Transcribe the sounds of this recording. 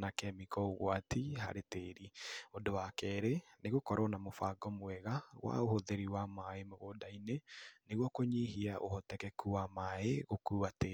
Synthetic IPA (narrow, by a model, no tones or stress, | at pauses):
nakɛmikɔoɣwatiɦa̰ɾeteɾiodowakɛɾeneɣokɔɾɔnamofaɡɔmwɛɣaɣwʔa̰ohoðeɾiwamaemoɣodaineneɣwɔkoɲiɦiaʔo̰hɔtɛkɛkuwamaeɣokuːwate